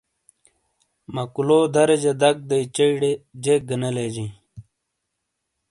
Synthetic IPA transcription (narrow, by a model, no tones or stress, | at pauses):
mɐkuloːd̪ʱɐɾed͡ʑed̪ɐk̚d̪ɐit͡ɕɐiɽed͡ʑeːk̚ɡɐnɐled͡ʑĩː